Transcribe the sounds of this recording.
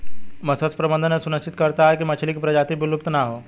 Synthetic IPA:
mɐsəspɾɐbə̃nd̪ʱənẽsʊnəst͡ʃɪt̪kɐɾt̪aɦɛkimɐt͡ʃʰlikipɾɐd͡ʒaːt̪ibɪlʊpt̪naɦoː

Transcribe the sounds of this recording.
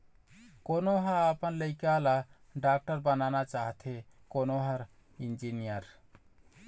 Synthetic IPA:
konoɦãapənləɪkala | ɖak̚ʈəɾbənanat͡ʃaɦt̪ʰekonoɦaɾ | ind͡ʒinijəɾ

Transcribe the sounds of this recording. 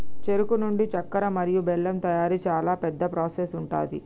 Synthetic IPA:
t͡ʃeɾukunuɳɖit͡ʃɐkːɐɾɐmɐɾijubɛɭːɐmt̪ɐjaːɾit͡ʃaːlaːpɛd̪ːɐpɾoːsesuɳʈa̰ːd̪ḭ

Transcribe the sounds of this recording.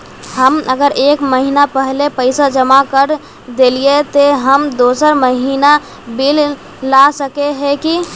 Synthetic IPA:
ɦəməɡəɾʔeːkməɦinapəɦlepəɪsad͡ʒəmakəɾ | d̪eliet̪oɦəmd̪oːsəɾməɦina | bil | lasəkeɦɛki

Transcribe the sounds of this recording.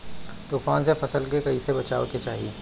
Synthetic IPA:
t̪uːfaːnsefɐsəlkekɐisebɐt͡ʃaːʋoket͡ʃaːɦieː

